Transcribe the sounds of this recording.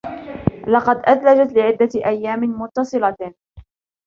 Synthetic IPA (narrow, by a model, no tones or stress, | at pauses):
lɑqɑd̪ʔat̪lad͡ʒat̪lɪʕɪd̪ːat̪ʔajːaːmɪmʊt̪ːɑsˤɨlɑ